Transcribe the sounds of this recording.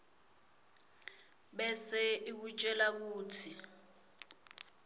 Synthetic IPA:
ɓɛsɛik̬ut͡ʃʼɛlak̬uːtʰi

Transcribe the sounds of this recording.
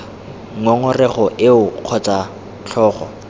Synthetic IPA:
ŋɔŋɔrɛχɔʔɪʊq͡χʰɔt͡sʼa | t͡ɬʰɔːχɔ̰

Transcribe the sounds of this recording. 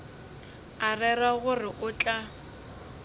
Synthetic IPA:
arɛraɣʊrɪʔʊt͡ɬʼa

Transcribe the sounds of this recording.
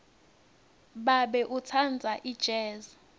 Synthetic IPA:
ɓaɓɛʔut͡sʰand͡zʱaʔid̥ʒ̥ʱɛːza

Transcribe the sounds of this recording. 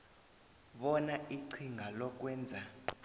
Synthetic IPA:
ɓɔnaʔiǀʰiŋɡʱalɔk̬ʼwɛːnd͡zʱa

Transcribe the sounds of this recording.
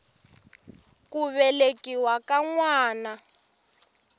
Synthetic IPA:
kuβɛlekiwakaŋwaːna

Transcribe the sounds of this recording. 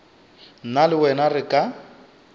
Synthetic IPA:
nalɪwɛnarɪkʼa

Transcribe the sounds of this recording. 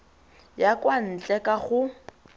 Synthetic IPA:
jakʼwan̩t͡ɬʼɛkʼaχʊ

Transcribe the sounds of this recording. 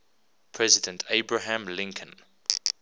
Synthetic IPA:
pʰɹ̥ɛzɪdə̃ntʰeɪbɹaɦãmlɪ̃ŋkʰə̃n

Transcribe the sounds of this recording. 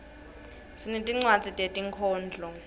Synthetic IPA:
sinitʼiŋ͡ǀwat͡sʼitʼetʼiŋkʰɔːnd͡ɮʱɔ

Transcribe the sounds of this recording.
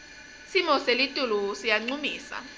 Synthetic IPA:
simɔselitʼulusijaŋ͡ǀumiːsa̰

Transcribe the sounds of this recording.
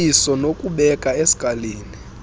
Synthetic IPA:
isɔnokʼuɓɛkʼaesi̥kʼaleːni

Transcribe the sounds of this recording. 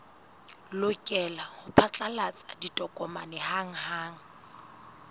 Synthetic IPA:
lʊkʼɛlahʊpʰat͡ɬʼalat͡sʼaditʼɔkʼɔmanɛhaŋ̩haːŋ̩

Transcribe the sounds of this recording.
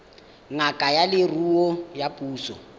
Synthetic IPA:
ŋakʼajalɪruɔjapʼuːsɔ̰

